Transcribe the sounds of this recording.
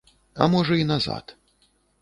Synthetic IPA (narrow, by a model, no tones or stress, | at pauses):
ɐ̰mɔʐɐinaza̰t̪